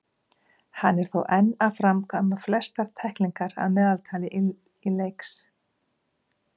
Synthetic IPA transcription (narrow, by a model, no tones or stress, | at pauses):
hanːɛɾ̥θo̰wʔɛnːafɾamkʰanaflɛst̪aɾ̥t̪ʰɛhkniŋkaɾa̰ðmɛːðalt̪ʰaːlɪʔ | ilejks